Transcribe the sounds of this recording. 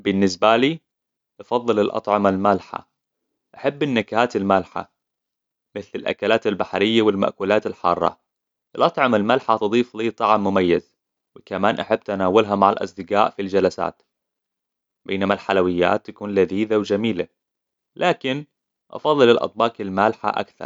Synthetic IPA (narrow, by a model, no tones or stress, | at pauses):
bɪnːɪsbaliː | ʔɑfɑðˤːɨlɪlʔɑ̰t̪ˤʕɑmalmalħa̰ | ʔaħabːɪnːakahaːt̪ɪlmalħa̰ | mɪθlɪlʔa̰kalaːt̪albaħɾɪjːawɪlma̰ʔkuːlaːt̪alħɑ̰ːrˤːɑ̰ | ʔɪlʔɑt̪ˤʕɑmalmalħat̪ɨd̪ˤiːfliːt̪ˤɑʕmːʊmajːaz | wɪkamaːnʔaħabːt̪anaːwʊlɦamaʕalʔɑ̰sˤd̪ɪqaːʔfild͡ʒalasa̰ːt̪ | beːnamalħalawɪjːa̰ːt̪ːakuːnlaðiːðawd͡ʒamiːla̰ | lʔaːkɪn | ʔɑ̰fɑðˤːɨlɪlʔɑ̰t̪̚ˤbɑːqalmalħa̰ʔa̰kθɑ̰ɾˤ